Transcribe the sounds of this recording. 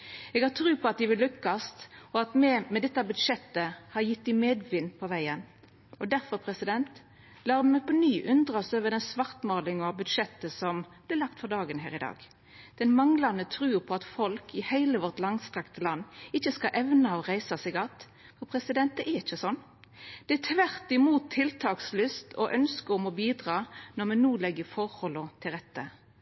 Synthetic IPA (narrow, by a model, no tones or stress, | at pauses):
ɛːɡhɑʁt̪ʰɾʉːpʰɔɑt̪̚d̪ɪʋɪlːʉkːɑst̪ɔɑt̪mɛmɛd̪ɛt̪ːɑbʉd̪ʂɛt̪ːəhɑɾjɪt̪ːd̪ɪmeːd̪ʋɪnːpʰɔʋæɪən | ɔd̪æɾfɔɾpʰɾɛsɪd̪ɛnt̪ | lɑːɾmɛpʰɔnyːʔʉnd̪ɾɑsøːʋəd̪ɛnsʋɑʁt̪mɑːlɪŋɑbʉd̪ʃɛt̪ːəsɔmblɪːlɑkt̪fɔʁd̪ɑːɡənɦæ̰ːʁɪd̪ɑ̰ːɡ̥ | d̪̥ɛnmɑŋlɑnət̪ʰɾʉːpʰɔɑt̪fɔlkʰɪhæɪləʋɔʁt̪lɑŋst̪ʁɑkt̪əlɑnːɪçːəskɑʔɛʋnɑɔʁæɪsɑsɛɡɑt̪ː | fɔpʰʁɛsɪd̪ɛnt̪̚d̪ɛʔæɾɪçːəsɔnː | d̪̥ɛæt̪ʰʋæʁt̪ɪmuːt̪ʰːɪlt̪ʰɑːkslʏst̪ʰɔ̰ʔœnskəɔmɔbiːd̪ʁɑːnɔʁmɛnnuːlɛɡːəfɔɾhɔlːət̪ʰɪlʁɛt̪ːə